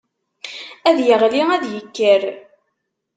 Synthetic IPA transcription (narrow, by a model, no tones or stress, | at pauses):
æðjəʁliæðjəkːəɾ